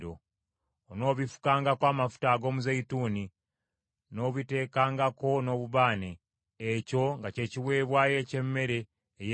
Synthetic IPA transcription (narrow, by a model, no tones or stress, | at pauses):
ɾo | ono̞ːβifu̥kaːŋɡakwaːmafu̥taːɡo̞ːmuzejituːni | no̞ːβite̞ːkaːŋɡako̞no̞ːβuβaːneː | co̞ŋɡace̞ːciwe̞ːβwaːje̞ce̞mːe̞ɾe̞ː | je